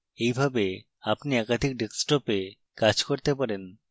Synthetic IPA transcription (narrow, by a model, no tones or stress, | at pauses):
ejbʱabe | apniɛkad̪ʱik̚ɖeksʈope | kad͡ʑkoɾt̪epaɾen